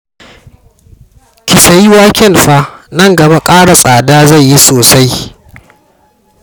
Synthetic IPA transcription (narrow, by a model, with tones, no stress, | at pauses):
kʲɪ˨sɐ˨jɪ˦waː˦kʲɛ˦nɸa˦nɐ˦˨ŋɡɐ˨ba˦kʼaː˦ɽa˨sʼaː˨daː˦za˦˨jːi˦soː˨sa˦j